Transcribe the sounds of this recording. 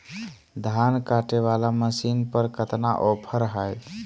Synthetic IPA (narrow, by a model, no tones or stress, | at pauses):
d̪ʱankaʈeβalaməsinpəɾkət̪naʔopʰəɾɦəj